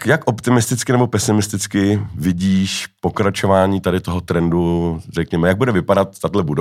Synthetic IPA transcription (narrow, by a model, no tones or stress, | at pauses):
kjakʔopt̪ɪmɪst̪ɪt͡skɪnɛbo̞pɛsɪmɪst̪ɪt͡skɪvɪɟiːʃpo̞kɾat͡ʃo̞vaːɲiːt̪adɪt̪oɦot̪ɾɛndurɛkɲɛmɛjaɡ̚budɛvɪpadat̪ːadlɛbudo